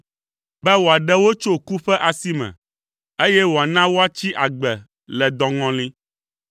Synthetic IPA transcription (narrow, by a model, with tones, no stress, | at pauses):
bɛ˦wo˨a˨ɖɛ˦wo˦t͡ʃo˦ku˦ɸɛ˦ʔa˨si˦mɛ̰̃˨ | e˦jɛ˦wo˨a˨nã˦wo˦a˦t͡ɕi˦ʔa˨ɡ͡bɛ˨ | lɛ˨d̪ɔ̃˨ŋɔ̃˦lĩ˦